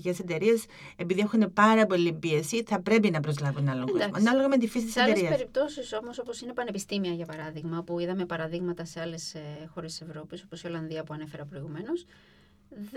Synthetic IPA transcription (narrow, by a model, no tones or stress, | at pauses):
ice̞set̪e̞ɾie̞s | e̞piðie̞xune̞pɐɾɐpo̞lipie̞siθɐpɾe̞pinɐpɾo̞zlɐvonɐloɣɐnɐloɣɐme̞t̪ifisit̪iset̪eeɾsiɐseɾip̚t̪o̞siso̞mo̞so̞po̞sine̞pɐne̞pist̪imiɐʝɐpɐɾɐðiɣmɐpuiðɐme̞pɐɾɐðiɣmɐt̪ɐse̞ɐle̞sxo̞ɾest̪ːise̞vɾo̞piso̞posio̞lɐnðiɐpuɐne̞feɾɐopɾo̞iɣume̞nos